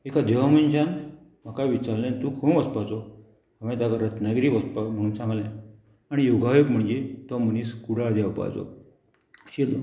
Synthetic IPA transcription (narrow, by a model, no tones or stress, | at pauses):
ekad̪eʋaməɲt͡ɕan | m̤akaʋit͡ɕaɾlẽnt̪uːkʰomʋəspat͡sɔ | əʋẽt̪akaɾət̪naɡɾiːʋəspam̤əɽ̃uːnsãŋɡlã | aɽ̃ijoɡajoɡm̤əɳd͡ʑet̪ɔməniːskuɽad̪jaʋpa̰jt͡sɔ̰ | ɕet̪o̰